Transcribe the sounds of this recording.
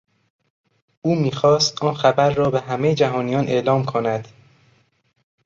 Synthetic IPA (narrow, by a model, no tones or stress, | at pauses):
ʔuːmiːxɒːst̪ʔɒːnxæbæɾːɒːbeɦæmejed͡ʒæɦɒːnijɒːnʔe̞̰ʔlɒːmkʰonæd̪̥